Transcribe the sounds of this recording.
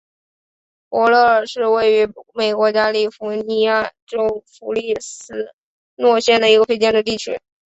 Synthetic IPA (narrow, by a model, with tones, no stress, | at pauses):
pwɔ˧˥lɤ˥˩ə˞˨˩ʂɻ̩˥˧we˥˩ɪy˧˥me˨˩ɪkwɔ˧˥t͡ɕja˥li˥˩fu˧˥ni˧˥ja˥˩ʈ͡ʂo˥ʊfu˧˥li˥˩sɹ̩˥ | nwɔ˥˧ɕjɛ˥˩nd̪ə˩i˧˥ɡə˧fe˥ɪt͡ɕjɛ˥˩nd̪ə˩t̪i˥˩t͡ɕʰy̰˧˥